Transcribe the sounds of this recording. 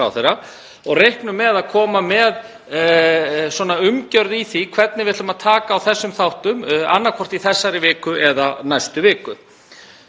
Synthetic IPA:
a̰wθeɾa | ɔɣrejhknʏmːɛðaðkʰɔːmamɛð | swɔnaʏmcœɾðiθikʰv̥ɛt̪nɪvɪt̪ʏmaðt̪ʰaːkaːwθɛsːʏmθawht̪ʏma̰nːaɾkʰɔr̥t̪iθɛsːaɾɪvɪːkʏʔɛðanajst̪ʏvɪːkʏ

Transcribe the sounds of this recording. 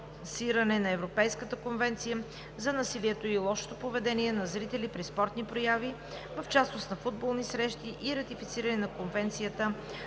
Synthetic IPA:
siɾənɛnɐɛvɾopɛjskət̪əkonvɛnt̪sijə | zɐnɐsiliɛt̪oilˠɔʃo̥t̪opovɛd̪ɛniɛnɐzɾit̪ɛlipɾispɔɾt̪nipɾojavi | vəft͡ʃasnost̪nɐfud̪̚bolˠnisɾɛʃt̪iʔiɾɐt̪ifit̪siɾɐnɛnɐkonvɛnt̪sijət̪ə

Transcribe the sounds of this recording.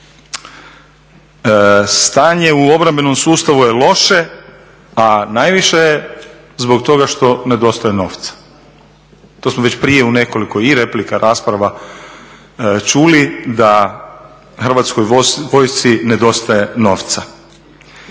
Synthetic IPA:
st̪aːɲe̞uo̞bɾambe̞no̞msuːst̪aʋuje̞lo̞ʃe̞ | anajʋiʃeje | zbo̞k̚t̪o̞ɡaʃt̪o̞ne̞d̪o̞st̪ajeno̞̰ːft̪sḁ | t̪o̞smoʋe̞t͡ɕpɾije̞une̞ko̞liko̞iɾe̞plikaɾʔaːspɾaʋa | t͡ʃulid̪a | xr̩ʋat̪skojʋo̞jst̪ine̞d̪o̞st̪aje̞no̞ːʋt̪sa

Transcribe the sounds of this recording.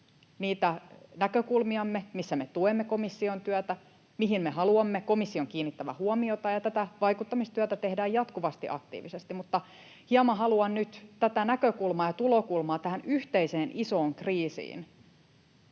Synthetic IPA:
niːt̪ænækøkulmiɑmːemisːæmet̪uemːekomisːiont̪yæt̪æ | miɦimmehɑluɑmːekomisːioŋkiːnːit̪ːæʋæ̰huomiot̪ɑjɑt̪æt̪æʋɑikut̪ːɑmist̪yæt̪æt̪ehdæːjɑt̪kuʋɑst̪ḭʔɑ̰kt̪ḭːʋisest̪imut̪ːɑ | hiɑmɑɦɑluɑnnyt̪t̪æt̪ænækøkulmɑːjɑt̪ulokulmɑːt̪æhænyht̪eiseːnisoːŋkriːsḭːn

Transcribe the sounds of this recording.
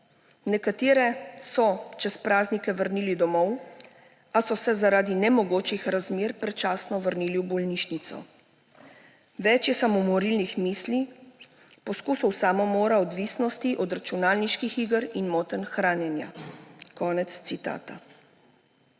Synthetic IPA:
nɛkat̪iːɾɛsɔt͡ʃɛspɾaːznikɛʋəɾniːlid̪ɔmɔw | asɔsɛzaɾaːd̪inɛmɔɡoːt͡ʃixɾazmeːɾpɾɛt͡ʃaːsnɔʋəɾniːliwbɔlniʃnit̪sɔ̰ | ʋɛt͡ʃjɛsamomɔɾilnixmiːsli | pɔskuːsɔwsaːmɔmoːɾaɔd̪ʋisnɔst̪iʔɔd̪ɾat͡ʃunaːlniʃkixiːɡəɾinmɔːt̪ənxɾaːnjɛnjakɔːnɛt̪st̪sit̪a̰ːt̪a

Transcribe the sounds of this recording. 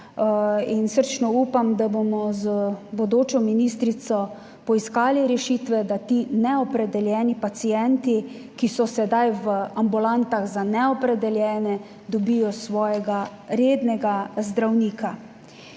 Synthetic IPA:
insəɾt͡ʃnɔuːpamd̪abomɔzbɔd̪oːt͡ʃɔminist̪ɾit̪sɔ | pɔiskaːliɾɛʃiːt̪ʋɛd̪at̪inɛɔpɾɛd̪ɛljɛːnipat̪sijɛnt̪i | kisɔsɛd̪ajʋəambulant̪aɣzanɛɔpɾɛd̪ɛljɛːnɛ | d̪ɔbijɔsʋɔːjɛɡaɾeːd̪nɛɡazd̪ɾawniːkʰa

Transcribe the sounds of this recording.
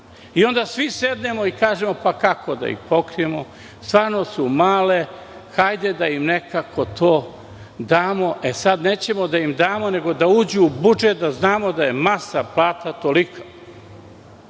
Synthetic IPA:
io̞nd̪asʋised̪ne̞moikaːʒe̞mo̞pakako̞d̪a̰ḭxpokɾije̞mo | st̪ʋaːɾno̞sumaːle̞ | xajd̪e̞d̪aimnekakʰo̞t̪ʰoː | d̪aːmo̞ʔe̞sad̪neːt͡ɕe̞mod̪aimd̪aːmo̞ne̞ɡo̞d̪auːd͡ʑuubud͡ʒet̪̚d̪aznaːmo̞d̪aje̞masaplˠaːt̪at̪o̞likʰa

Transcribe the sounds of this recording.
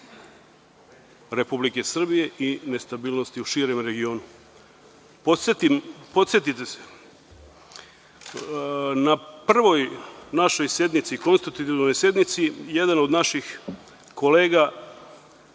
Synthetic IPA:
ɾe̞publike̞sr̩bije̞ʔine̞st̪abiːlno̞st̪iuʃiːɾe̞mɾe̞ɡio̞ːnu | poset̪impo̞t̪sje̞t̪it̪ese̥ | napr̩ʋo̞jnaʃo̞jsje̞d̪nit̪siko̞nst̪at̪ut̪iʋno̞jsje̞d̪nit̪sije̞d̪ano̞d̪naʃix | kʰo̞le̞ːɡa

